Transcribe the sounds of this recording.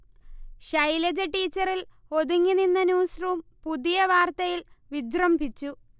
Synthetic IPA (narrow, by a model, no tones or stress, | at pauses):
ɕɐjlɐd͡ʑɐʈːiːt͡ɕːɐɾil | o̞ðuŋːininːɐnuːsruːmpuðijɐʋaːrt̪ɐjilʋid͡ʑrɐmbʱit͡ɕːu